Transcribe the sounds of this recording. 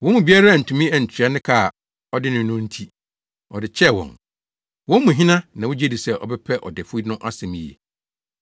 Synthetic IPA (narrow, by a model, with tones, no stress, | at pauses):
wɔ̃˦mũ˨bi˦a˦ɾa˦˨n̩˨tʰũ˨mĩ˦ɛ˨ɲ̩˨t͡ɕʰᶣa˦nɪ̃˦kʰa˦˨ | ɔ˦dɪ˦nʊ̃˨nʊ̃˦n̩˦tʰi˦ | ɔ˨dɪ˨t͡ɕʰɛ˦˨wɔ̰̃˨n | wɔ̃˦m˦mũ˨ɦĩ˦nã˦nã˨wʊ˦d͡ʑɛ˦di˨sɛ˦ʔɔ̰˨bɛ˦pʰɛ˦ʔɔ̰˨dɪ˨fʊ˦i˦nʊ̃˦ʔa˦sɛ̃˨mĩ˨jɛ̰˨